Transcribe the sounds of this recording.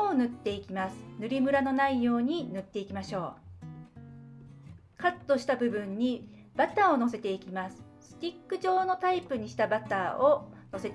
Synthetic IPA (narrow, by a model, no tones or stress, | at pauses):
onɯ̟t̪ːe̞ikʲimasɨ̥nɯɾʲimɯ̟ɾano̞naijo̞ːɲ̟inɯ̟t̪ːe̞ikʲimaɕo̞ː | kat̪ːo̞ɕi̥t̪abɯ̟bɯ̟̃ɲ̟ːi | b̥at̪aːo̞no̞se̞t̪e̞ikʲimasɨ̥ | sɨ̥t̪ʲikːɯ̟ʑo̞ːno̞t̪aipɯ̟ɲ̟iɕi̥t̪abat̪aːono̞se̞t̪